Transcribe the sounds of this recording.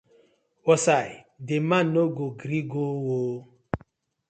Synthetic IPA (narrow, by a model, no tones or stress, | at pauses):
wɔsai | demanoɡoɡɾiɡowoː